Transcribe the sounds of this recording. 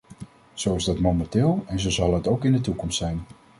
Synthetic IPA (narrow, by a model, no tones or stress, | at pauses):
z̥owɪzdɑtmowmɛntɪːlˠɛnzəwzɑlˠɦətowkɪndətukɔmstsɛjn